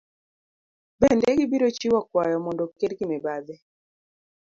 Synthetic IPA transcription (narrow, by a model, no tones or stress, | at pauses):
bɛndɛɡɪbiɾot͡ʃiwakwajɔmɔndɔkedɡimɛbad̪ɛ